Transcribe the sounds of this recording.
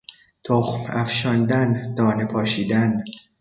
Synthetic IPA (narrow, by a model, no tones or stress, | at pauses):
t̪ʰoxmæfʃɒnd̪ænd̪̥ɒːnepʰɒːʃiːd̪æn